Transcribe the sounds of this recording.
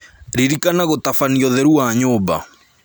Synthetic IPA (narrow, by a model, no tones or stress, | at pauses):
ɾiɾikanaɣotafaniɔðɛɾuwaɲoːba̰